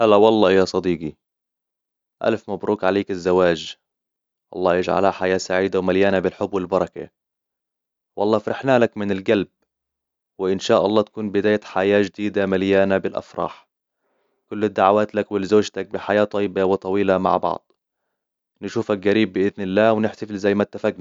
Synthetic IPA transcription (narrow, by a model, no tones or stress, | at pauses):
halːawɑlˤːɑːjaːsˤɑd̪iːɡi | ʔa̰lfmabɾuːkʕaleːkɪzːawaːʒ | wʔɑ̰lˤːɑːjɪd͡ʒʕa̰lhaħajaːsaʕiːd̪awmaljaːnabɪlħʊbːwɪlbɑɾˤɑka̰ | wʔɑ̰lˤːɑːfɾˤɪħnaːlakmɪnɪlɡalb̚ | wɪʔɪnʃaːʔɑlˤːɑːt̪ḁkuːnbɪd̪aːjat̪ħajaːʒd̪iːd̪amaljaːnabɪlʔɑ̰fɾˤɑ̰ːħ | kʊlːɪd̪ːaʕawaːt̪lakwɪlɪzoːʒt̪ak̚bɪħajaːt̪ˤɑjːɪbawɪt̪ˤɑwiːlama̰ʕbɑ̰ʕd̪ˤ | nɪʃuːfak̚ɡaɾiːbːɪʔɪðnɪlːaːwnɪħt̪afɪlzajːmat̪ːafaɡn